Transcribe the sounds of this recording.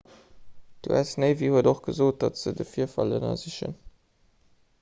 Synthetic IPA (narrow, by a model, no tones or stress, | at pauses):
d̥ṵæ̰snəɪviːhuədoχɡ̥əzoːt̚d̥ɑtz̥ədəfiːɐfɑlənɐ̰ziɕə̰n